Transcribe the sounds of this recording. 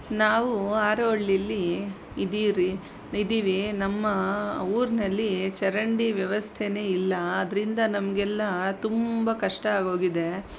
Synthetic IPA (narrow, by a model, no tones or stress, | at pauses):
naːʋuaːɾoɭːilːi | d̪iɾi | id̪iːʋinɐmːɐuːɾinɐlːit͡ʃɛɾɐɳɖiʋjɐʋɐst̪ʰene̞ːilːɐːd̪ɐɾind̪ɐnɐmɐɡɛlːɐt̪umbɐkɐʂʈɐaːɡo̞ːɡid̪e̞